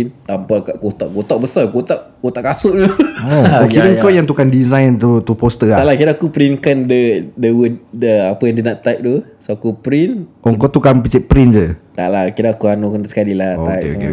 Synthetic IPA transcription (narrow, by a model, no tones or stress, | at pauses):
nt̪ampakaʔɡot̪aʔɡot̪aʔ̚bəsaɡot̪aʔɡot̪aʔkasʊʔt̪uookidəŋkɔjaŋt̪ukandizajnt̪ut̪upost̪əat̪aʔlakiɾakupɾinkandədəwədəapəjaŋdiənaʔt̪ajp̚t̪u | soakupɾinɔŋkɔt̪ukanpit͡ʃɛʔ̚pɾind͡ʒət̪a̰ʔlakiɾaːkuanokandsə̥kalilaaḛḛ